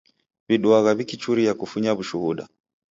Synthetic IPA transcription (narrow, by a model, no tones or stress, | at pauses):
βiɗwaɣaβikit͡ʃuɾijakufuɲaβuʃuhuɗa̰